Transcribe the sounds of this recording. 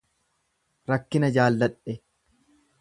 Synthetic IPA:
ɾɐkːɪnɐd͡ʒaːlːɐᶑɛ

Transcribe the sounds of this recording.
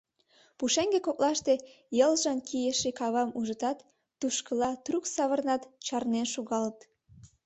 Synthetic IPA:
puʃeŋɡekok̚lɑʃt̪e̽ | jəlʒɑnkʰijeʃekɑβɑmuʒət̪ɑt̪ː | uʃkəlɑt̪ruksɑβərnɑt̪t͡ɕɑrnenʃuɣɑlt̪

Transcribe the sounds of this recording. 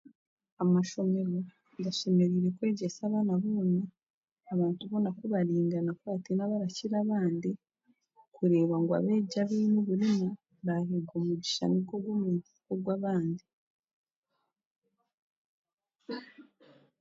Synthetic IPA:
amaʃo̞me̞ɾo | ɡaʃe̞me̞ɾiːɾe̞kwe̞ːɟesaːβaːnaβoːnaː | βaːntuβo̞nakuβaɾiːŋɡanakuβatinaβaɾaciɾaβaːndi | kuɾe̞ːβaŋɡwa̰βe̞ːɟaβiːnuβuɾima | βahiɡomuɟiʃa̰niɡoɡwomu | koɡwaβaːndi

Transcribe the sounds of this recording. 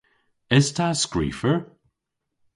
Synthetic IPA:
ɪz̥tʰaskɹḭːfəɹ

